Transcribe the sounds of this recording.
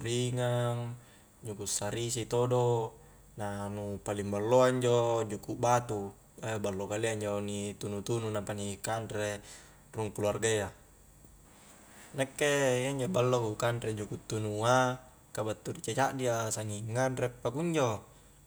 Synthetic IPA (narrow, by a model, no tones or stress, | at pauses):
ɾiŋaŋ | d͡ʒukusaɾisit̪odo | nanupalimbalːoaɲd͡ʒod͡ʒukuʔbat̪u | ebalːokaliaɲd͡ʒonit̪unut̪ununampanikandɾe | ruŋkularɡea | nekːejaɲd͡ʒobalːokukandɾed͡ʒukut̪ːunua | kabat̪ːuɾit͡ʃat͡ʃaʔdiasaŋiŋːanrepːakuɲd͡ʒo